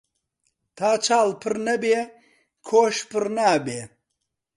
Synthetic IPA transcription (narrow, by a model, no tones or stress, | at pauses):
t̪ʰaːt͡ʃʰaːlpʰɨɾnɐbeː | kʰoːʃpʰɨɾnaːbeː